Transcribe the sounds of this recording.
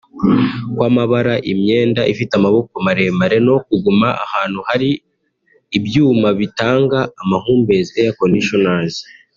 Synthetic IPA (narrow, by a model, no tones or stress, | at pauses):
kwaːmaβaɾaʔimɲe̞ːndaʔifitamaβo̞komaɾe̞maɾe̞no̞k̚uɡumaʔa̰haːn̥huhaɾiː | bjuːmaβitaːŋɡaːmahuːmbe̞ziejakoniʃonazi